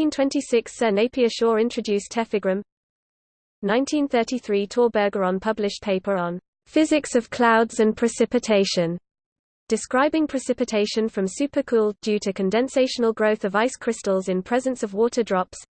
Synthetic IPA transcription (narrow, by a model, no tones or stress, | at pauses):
ĩntʰw̥ɛ̃ntisɪksɜːneɪpiəʃɔːɹɪ̃ntt͡ʃɹ̥əd͡ʒʉˑstʰɛfɪɡɹə̃m | nãɪ̃ntʰĩnθɜˑtiθɹiːtʰɔːbəːɡəɹə̃npʰʌblɪʃpʰeɪpəɹə̃n | fɪzɪksəv̥kʰl̥aʊdz̥ə̃npʰɹ̥ɪsɪpɪtʰeɪʃə̃n | d̥ɪskɹaɪbɪ̃ŋpʰɹ̥ɪsɪpɪtʰeɪʃə̃nfɹə̃msʉˑpəkʰuːlˠdʉːtʰəkʰə̃ndɛ̃nseɪʃənəlˠɡɹəʊθəvaɪskʰɹ̥ɪstəlˠzɪ̃npʰɹ̥ɛzə̃nsəvwɔˑtʰədɹɒps